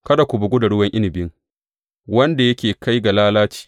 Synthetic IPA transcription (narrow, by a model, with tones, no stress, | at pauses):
kɐ˦da˨kʷʊ˨bʊ˨ɡʷʊ˦da˨ɽʊ˦wɐ˦ŋʔɪ˦nɪ˨bɪ˦ŋ | wɐ˦nda˨jɐ˦kʲeː˨ka˦jɡa˨laː˦laː˦t͡ʃi̥ː˨